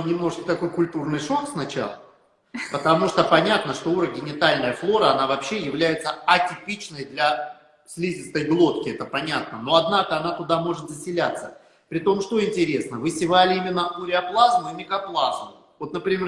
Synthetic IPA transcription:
nʲɪmno̞ʐɨt͡ɕkə̥t̪ɐko̞jkʊlʲt̪urnɨjʂo̞ksnɐt͡ɕa̰lˠə | pət̪ɐmuʂt̪opɐnʲat̪nəʂt̪o̞uɾəɡʲɪnʲɪt̪alʲnəjəflˠo̞ɾəɐnavɐpɕːe̞jɪvlʲæjɪt̪səɐtʲɪpʲit͡ɕnəjd̪lʲɐ | sʲlʲizʲɪst̪əjblˠo̞t̪kʲɪɛt̪əpɐnʲat̪̚nəno̞ɐd̪nakəɐnat̪ʊd̪amo̞ʐɨt̪zəsʲɪlʲat̪sːə | pɾʲɪt̪o̞mʂt̪o̞ɪnʲtʲɪɾʲe̞snəvɨsʲɪvalʲɪimʲɪnːəʔuɾʲɪɐplˠazmʊɪmʲɪkɐplˠazmʊ | vo̞t̪nəpɾʲɪmʲe

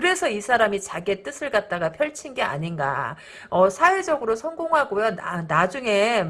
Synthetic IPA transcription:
kɯɾe̞sʰʌisʰaɾamit͡ɕaɡie̞t͈ɯsʰɯɭɡat̚t͈aɡapʰjʌɭt͡ɕʰinɡe̞a̰ɲinɡa̰ | ʌsʰawe̞d͡ʑʌɡɯɾosʰʌŋɡoŋɦaɡojonnad͡ʑuŋe̞

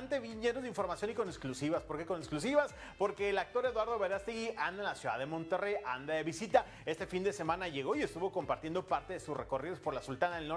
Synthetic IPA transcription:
nt̪eβjiʝenozðiɱfo̞ɾmasjo̞niko̞neksklusiβaspo̞ɾke̞ko̞neksklusiβas | po̞ɾke̞ːlak̚t̪o̞ɾe̞ðwaɾðo̞βeɾast̪iɣiʔand̪anlasjuða̰ðe̞mõ̞nt̪e̞re̞jʔand̪aðeβisit̪a | e̞st̪e̞find̪e̞se̞mãnaʝe̞ɣo̞ie̞st̪uβo̞ko̞mpaɾt̪je̞nd̪o̞paɾt̪eðe̞susre̞̰ko̞riðospo̞ɾlasult̪anaðelno

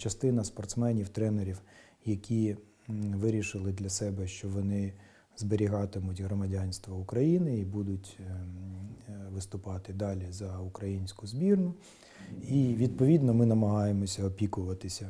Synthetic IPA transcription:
t͡ʃɐst̪ɪnɐspɔrt̪smɛnʲiwt̪ɾɛneɾʲiw | jɐkʲʰi | ʋɪɾʲiʃɪlˠɪd̪lʲɐsɛbɛʃt͡ʃɔʋɔnɪ | zbeɾʲiɦɑt̪ɪmʊtʲɦɾɔmɐdʲanʲst̪ʋɐʊkɾɐjinɪibud̪ʊtʲ | ʋɪst̪ʊpɑt̪ɪd̪ɑlʲizɐukɾɐjinʲsʲkʊzbʲirnʊ | iʋʲid̪̚pɔʋʲid̪nɔmɪnɐmɐɦɑjemɔsʲɐɔpʲikʊʋɐt̪ɪsʲɐ

